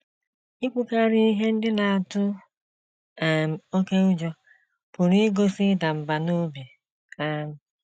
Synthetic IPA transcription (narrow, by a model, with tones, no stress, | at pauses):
i˦kʷʊ˦ka˦ɾi˦i˦ɦe˦n̩˦dɪ˦na˨a˨tʊ˦˨ | m̩˨o˦ke˦ʊ˦d͡ʒɔ˦ | pʊ˨ɾi˦ɡo˦si˦da˨m̩˨ba˨no˦bi˨ | a˦m̩˦